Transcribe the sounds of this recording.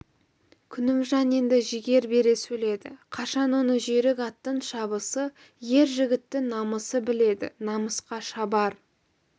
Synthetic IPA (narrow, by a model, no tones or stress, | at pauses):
kʲʰʏnɪmʒɑne̞nd̪ɪʒɪɡʲe̞ɾbe̞ɾe̞sɵle̞d̪ɪ̰qʰɑʃɑnwo̞nəʒeɾɪkɑt̪ːəɴʃɑbəsə | je̞ɾʒɪɡʲɪt̪ːɪŋnɑməsəbɪle̞d̪ɪ̰nɑməsqɑʃɑbɑɾ